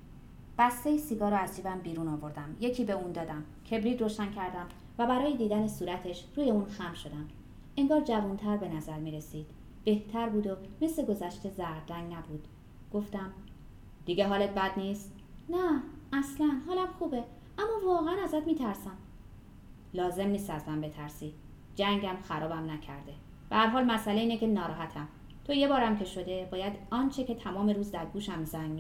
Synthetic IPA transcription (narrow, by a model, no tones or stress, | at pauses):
b̥æst̪e̞jisiɡɒːɾɔæzd͡ʒiːbæmbiːɾuːnɒːvo̞ɾd̪æmje̞cʰiːbe̞uːnd̪ɒːd̪æm | cʰe̞bɾiːd̪ɾoʃæncʰæɾd̪æm | væbæɾɒːjed̪iːd̪ænesuːɾæt̪ʰe̞ʃɾuːjeuːnxæmʃo̞d̪æm | e̞ŋɡɒːɾd͡ʒævunt̪ʰæɾbe̞næzæɾmiːɾe̞siːd̪̥ | b̥e̞ht̪ʰæɾbuːd̪ome̞sle̞ɡo̞zæʃt̪e̞zæɾd̪æŋnæbuːd̪̥ | ɡ̥o̞ft̪æm | d̪̥iɟʲe̞ɦɒːlet̪̚bæd̪niːst̪ | nææslænɦɒːlæmxuːbe | æmːɒːvɒːɣeænæzæt̪miːt̪ʰæɾsæm | lɒːze̞mniːst̪æzmæmbe̞t̪ʰæɾsiː | d͡ʒæŋɟæmxæɾɒːbæmnæcʰæɾd̪e̞ | b̥ehæɾɦɒːlmæsʔæleiːnece̞nɒːɾɒːɦæt̪ʰæm | t̪ʰoje̞bɒːɾæmcʰeʃo̞d̪e̞bɒːjæd̪ɒːnt͡ʃʰecʰe̞t̪ʰæmɒːme̞ɾuːzd̪æɾɡuːʃæmzæŋmi